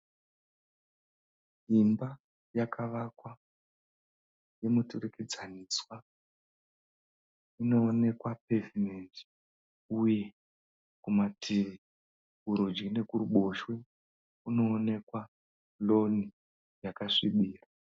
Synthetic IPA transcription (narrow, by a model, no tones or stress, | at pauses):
imba | jakʰaʋakwa | je̞mutureked͡zaniswa | ino̞ːne̞kwape̞vime̞nti̥ | uje̞ | kumatʰiʋi | uɾod͡ʒine̞kuruɓo̞ʃwe | uno̞ːne̞kwa | lo̞ni | jakaʂiɓiːra